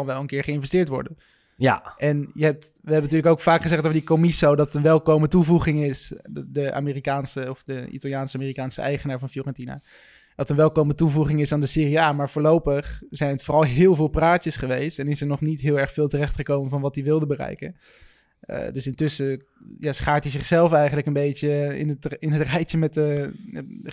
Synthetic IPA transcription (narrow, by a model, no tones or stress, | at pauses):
ɑnʋɛlˠənkɪːɹχəɪnvɛstɪːɹtʋɔ̰ɹdən | ʔɛnjəɦɛp̚t | ʋəɦɛbəntyːɹləkowkfaːkχəzɛχtowəɹdikomisowdɑtənʋɛlˠkowmətuvuχɪŋɪsdəʔa̰ːmiːrikaːnsəɔfdəḭtɑlˠjaːnsəamiːrikaːnsə̰ʔɛ̰jχənaːɹvɑnflorɛntina̰ː | d̥ɑtənʋɛlˠkowmətuvuχɪŋɪsaːndəsɪːriaːmaːɹvʊːɹlowpəχzɛjnətfoːrɑlˠɦɪːlˠvɪːlˠpraːtəsχəʋejstɛnɪsəɹnɔχnitɦɪːlˠɛɹχfɪːlˠtərɛχtχəkowmənvɑnʋɑt̚diʋɪlˠdəbərɛ̰jkə̰n̰ | dɵsɪntʏsə | jaːsχaːɹtdizɪχsɛlˠfɛjχənləkənbejt͡ʃəɪ̰nətɪnɦətrɛjtəmɛtə